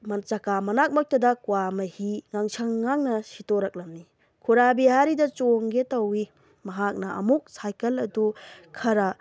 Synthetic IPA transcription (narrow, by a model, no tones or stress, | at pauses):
mɐnt͡ʃakamɐnak̚mɐk̚tɐdɐkwamɐhiŋaŋt͡ʃʰɐŋːaŋnɐsitoɾɐk̚lɐmni | kʰuɾabiɦaɾidɐt͡ʃoŋɡetɐwi | mɐɦak̚nɐɐ̰muk̚sajkɐlɐdukʰɐɾɐ